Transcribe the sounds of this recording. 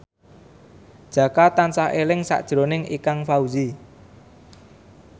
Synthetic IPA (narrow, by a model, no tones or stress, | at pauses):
d̥ʒ̥ä̤kat̪ansaɦelɪŋsa̰ʔd̥ʒ̥ɾo̤nɪŋikaŋfauzi